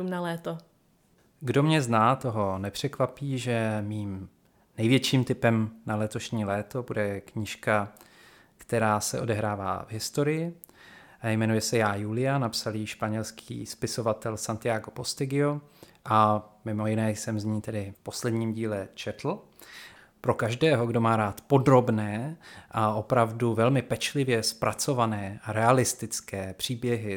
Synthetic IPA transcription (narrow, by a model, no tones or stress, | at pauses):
umnalɛːt̪o | ɡdo̞mɲɛznaːt̪o̞ɦo̞nɛpr̝̥ɛkvapiːʒɛmiːm | nɛjvjɛt͡ʃiːmt̪ɪpɛmnalɛt̪o̞ʃɲiːlɛːt̪o̞budɛkɲɪʃka | kt̪ɛɾaːsɛ̰ʔo̞dɛɦɾaːva̰ːvɦɪst̪o̞ɾɪjɪ | ajmɛnujɛsɛjaːjuːlɪjanapsaliːʃpaɲɛlskʰḭːspɪso̞vat̪ɛlsant̪ɪjaːɡopo̞st̪ɪɡɪoʔamɪmo̞jɪnɛːjsɛmzɲiːt̪ɛdɪfpo̞slɛdɲiːmɟiːlɛt͡ʃɛt̪l̩ | pɾokaʒdɛːɦo̞ɡdo̞maːɾaːt̪po̞dɾo̞bnɛːʔaʔo̞pɾavduvɛlmɪpɛt͡ʃlɪvjɛspɾʔat͡so̞vanɛːʔaɾɛalɪst̪ɪt͡skɛːpr̝̥iːbjɛɦɪ